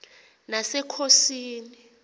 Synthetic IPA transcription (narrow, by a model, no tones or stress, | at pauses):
nasɛkʰosiːni